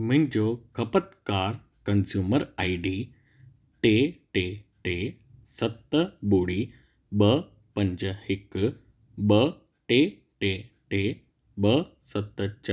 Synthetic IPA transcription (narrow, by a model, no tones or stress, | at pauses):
m̤ə̃nd͡ʑokʰɐpət̪kaːɾ | kɐnsjuːməɾaiɖiː | ʈeʈeʈe | sɐt̪ːəboːɽiː | bə | pəɲd͡ʑəhɪk | bə | ʈe | ʈe | ʈe | bəsɐt̪ːət͡ɕ